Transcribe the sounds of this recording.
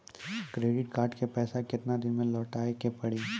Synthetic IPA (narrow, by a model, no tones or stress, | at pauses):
kɾeːɖɪʈkaːɾʈkepɛːsakɪt̪nad̪ɪnmẽlɔːʈaːekepɐɽiː